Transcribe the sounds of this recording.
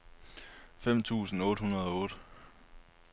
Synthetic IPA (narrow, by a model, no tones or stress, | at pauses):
fem̰t͡sʰṵːsn̩ɔ̽ːd̥hunɐð̞ˠɒ̽ɔ̽ːd̥ə